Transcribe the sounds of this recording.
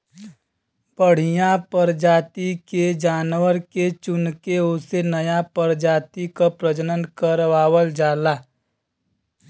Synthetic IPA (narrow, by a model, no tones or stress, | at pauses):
bəɽ̤ɪjãpəɾd͡ʒaːt̪iked͡ʒaːnwəɾket͡ʃʊnkeʊsenəjapəɾd͡ʒaːt̪ikapɾəd͡ʒənənkəɾʋaːwəld͡ʒaːlaː